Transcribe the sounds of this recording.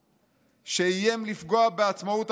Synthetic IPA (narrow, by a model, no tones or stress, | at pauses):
ʃeijemlifɡo̞abe̞at͡smaut